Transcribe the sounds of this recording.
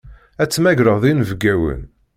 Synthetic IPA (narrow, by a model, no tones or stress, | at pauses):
æt͡sːmæɡɾəʁðinvəɡæwə̰n